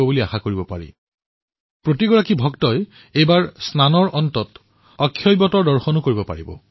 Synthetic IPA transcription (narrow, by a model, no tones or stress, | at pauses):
ɔbuliaxakoɹibɔpa̰ɹḭ | pɹotiɡɔɹakibʱɔktɔj | ejbaɹsnanɔɹʔɔntɔt | ɔkʰːjɔjbɔtɔɹdɔɹxɔnʊkoɹibɔpa̰ɹibɔ̰